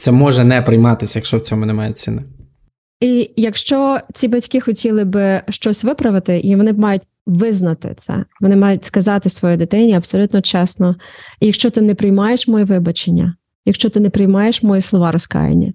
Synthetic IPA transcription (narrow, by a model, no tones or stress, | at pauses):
t̪sɛmɔʒɛnɛpɾɪjmɑt̪ɪsʲɐjɐkʃt͡ʃɔwt͡sʲɔmʊnɛmɑjɛ̰t͡sʲḭnɪ | ijɐkʃt͡ʃɔt͡sʲibɐtʲkɪxɔtʲilˠɪbɪʃt͡ʃɔsʲʋɪpɾɐʋɪt̪ɪʔiʋɔnɪmɑjʊt̚ʲ | ʋɪznɐt̪ɪ̰t̪sɛ̰ʋɔnɪmɑjʊtʲskɐzɑt̪ɪsʋɔjid̪ɪt̪ɪnʲiɐpsɔlʲut̪nɔt͡ʃɛsnɔjɐkʃt͡ʃɔt̪ɪnɛpɾɪjmɑjeʃmɔjiʋɪbɐt͡ʃenʲːɐ̰ | jɐkʃt͡ʃɔt̪ɪnepɾɪjmɑjeʃmɔjislˠɔʋɑɾɔskɑ̰jḛnʲːɐ̰